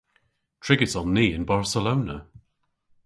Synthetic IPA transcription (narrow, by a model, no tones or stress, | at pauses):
tʰɹ̥ɪɡɪtɔn̩ːiːɪ̰̃nbaɹsəloʊnə̰